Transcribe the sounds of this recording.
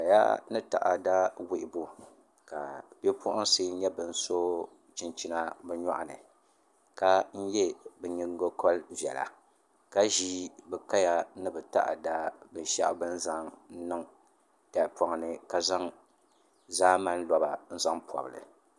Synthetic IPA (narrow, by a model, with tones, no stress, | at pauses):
ka˨ja̰˦nɨ˦ta̰˨ʔa˨da˦wi˨ʔɪ˨bu˦ | ka˨bɛ˦pʊ˦ʔʊ˦ŋseː˦n̩˦ɲɛ˦bɨ˨n̩˦so˦ | t͡ʃɪ˨nt͡ʃi˦na˦bɛ˦ɲɔ̰˦ʔa̰˨nɨ˨ | ka˦n̩˦jɛ˦bɛ˨ɲi˦ŋ˦ɡo˦kʰɔ˦lvɛ̰˨la̰˨ | ka˦ʒiː˦bɛ˨ka˦ja˦nɨ˦bɛ˨ta̰˦ʔa̰˨da˦bɨ˨n˦ʃa̰˦ʔbɨ˦n̩˦za˦ŋ˦nɨ˦ŋ | ta˨pɔ˨ŋ˨nɨ˨ka˨za˦ŋ | zaː˦ma˦n˦lɔ˨ba˨n̩˦za˦ŋpʰɔ̰˨bɨ˨lɨ̰˨